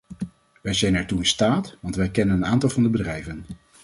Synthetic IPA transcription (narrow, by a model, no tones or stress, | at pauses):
ʋɛjzɛjnɛɹtuɪnstaːtʋɑntʋɛjkɛnənənaːntɑlˠvɑndəbədrɛjvən